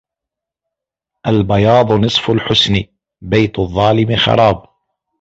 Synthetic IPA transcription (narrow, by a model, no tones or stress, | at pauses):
ʔalbɑjɑːd̪ˤnɨsˤfʊlħʊsnɪ | bajt̪ʊðˤːɑːlɪmɪxɑ̰ɾˤɑːb